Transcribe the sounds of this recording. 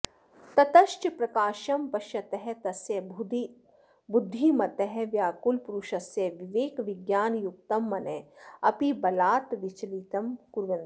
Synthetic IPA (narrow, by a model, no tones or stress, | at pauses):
t̪ɐt̪ɐʃʈpɾɐkaːʃɐmpɐʃjɐt̪ɛɦɛt̪ɐsjɐ | bud̪ʱːimɐt̪ɛɦɛʋjaːkulpuɾuʃɐsjɐʋiʋeːkʋiɡjaːnjuk̚t̪ɐmːɐneɐpibɐlaːt̪ʋit͡ʃlit̪ɐmkuɾʋɐn